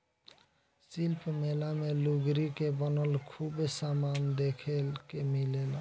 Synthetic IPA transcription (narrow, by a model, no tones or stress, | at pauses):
silpʰmelameluɡɾikebɔnɔlkʰubesamand̪ekʰelkemilela